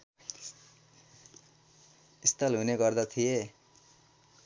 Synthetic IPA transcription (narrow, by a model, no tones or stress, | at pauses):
ist̪ʌlɦuneɡʌrd̪ʌt̪ʰije